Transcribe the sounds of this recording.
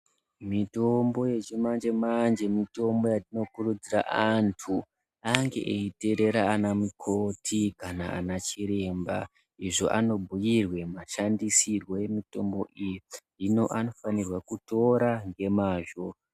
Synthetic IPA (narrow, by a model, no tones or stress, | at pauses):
mito̞mbo̞je̞t͡ʃimand͡ʒe̞mand͡ʒe̞mito̞mbo̞jatino̞kurud͡zira̰ʔantʰu | aŋɡe̞̰ʔeite̞ɾe̞ɾaːnamukʰo̞tʰikana̰a̰nat͡ʃiɾe̞ːmba | iʐo̞ʔano̞bʱujirwe̞maʃandisirwo̞je̞mito̞mbo̞ʔijidino̞ʔano̞fanirwakuto̞ɾaŋɡe̞maːʒo̞